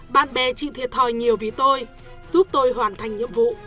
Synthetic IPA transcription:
ɓa̰ː˧˨nɓɛ˨˩t͡ɕḭ˧˨t̪ʰi˨˩ət̚t̪ʰɔ˨˩jɲi˨˩əwvi˨˩˦t̪o˧j | zu˦˥p̚t̪o˧jɦwaː˨˩nt̪ʰa˨˩jŋ̟ɲḭ˧˨əmvṵ˧˨

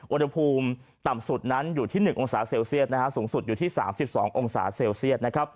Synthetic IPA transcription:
ʔu˧nha˧pʰuː˧m | t̪a˨˩msu˨˩t̪̚na˦˥njuː˨˩t̪ʰiː˥˩nɯ˨˩ŋʔo˧ŋsaː˩˦seː˧wsi˥˩ət̪̚na˦kʰa˦˥suː˩˦ŋsu˨˩t̪̚juː˨˩t̪ʰiː˥˩sa̰ː˩˦msi˨˩p̚sɔː˩˦ŋʔo˧ŋsa̰ː˩˦seː˧wsi˥˩ət̪̚na˦˥kʰɾa˦˥p̚

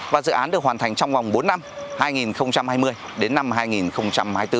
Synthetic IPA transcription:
vaː˨˩zɨ̰˧˨ʔaː˨˦ɗək̚waː˨˩nt̪ʰa˨˩jŋ̟t͡ɕɔ˧wŋ͡mva˨˩wŋ͡mɓo˨˦nːa˧mhaː˧jŋi˨˩nxə˧wŋ͡mt͡ɕa˧mhaː˧jmɨ˧əj | ɗe˨˦nːa˧mɦaː˧jŋi˨˩nxə˧wŋ͡mt͡ɕa˧mhaː˧jt̪ɨ˧˩

